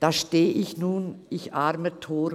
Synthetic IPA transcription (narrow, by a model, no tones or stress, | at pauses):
d̥aːʃteːʔɪçnuːnɪçʔaɾmətʰoː